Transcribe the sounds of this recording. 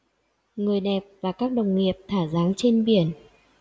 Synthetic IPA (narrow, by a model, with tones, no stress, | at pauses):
ŋɨ˨˩əjɗɛ˨˩p̚vaː˨˩kaː˦˥k̚ɗə˨˩wŋ͡mŋi˨˩əp̚t̪ʰaː˧˩zaː˨˦ŋt͡ɕe˧nɓi˧˩ən